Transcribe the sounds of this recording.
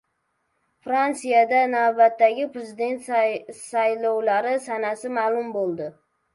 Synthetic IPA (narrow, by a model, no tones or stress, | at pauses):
fɾant̪sijad̪anawbat̪ːaɡʲɪpɾezɪd̪e̞nt̪sajlɒwlaɾɪsanasɪmaːlˠʊmbolˠd̪ɪ